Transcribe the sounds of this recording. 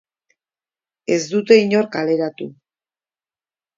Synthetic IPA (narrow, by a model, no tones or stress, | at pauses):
e̞zd̪ut̪e̞iɲo̞ɾkale̞ɾat̪u